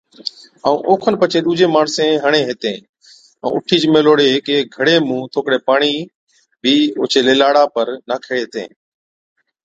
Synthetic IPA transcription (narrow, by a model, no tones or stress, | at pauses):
aːũːʔoːkʰənpət͡ʃeːɗuːd͡ʒeːmaːɳsẽːɦəɳ̃eːɦeːt̪ẽː | ə̰̃ːʔʊʈʰiːt͡ʃmeːloːɽeːkeɡʱəɽeːmũːt̪ʰoːkɽeːpaːɳ̃iː | bʱiːʊ̰ːt͡ʃʰeːleːlaːɽaːpəɾnaːkʰeːeːɦet̪ḛ̃ː